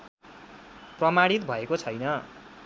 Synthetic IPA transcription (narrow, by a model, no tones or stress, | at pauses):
prʌmaɽit̪bʱʌekot͡sʰʌjnʌ